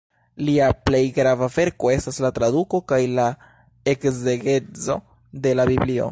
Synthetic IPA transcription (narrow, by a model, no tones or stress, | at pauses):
liaple̞jɡɾavave̞ɾko̞e̞staslatɾaduko̞kajla | e̞kze̞ɡe̞t͡so̞ | de̞labiblio̞̰